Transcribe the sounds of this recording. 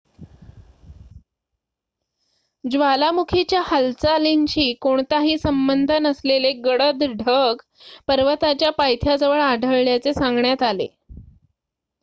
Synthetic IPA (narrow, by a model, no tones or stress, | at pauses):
d͡ʑʋalamukʰit͡ɕjahalt͡salint͡ɕiːkoɳt̪aɦiːsəmbənd̪ʱənəsleleɡəɽəd̪ɖʱəɡ | pəɾʋət̪at͡ɕjapajt̪ʰjad͡zəʋəɭaɖʱəɭːjat͡sesãŋɡɳjat̪alḛ